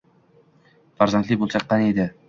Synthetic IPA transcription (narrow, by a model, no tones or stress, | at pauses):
faɾzant̪lɪbolˠt͡ʃʰɑqːɑned̪ɪ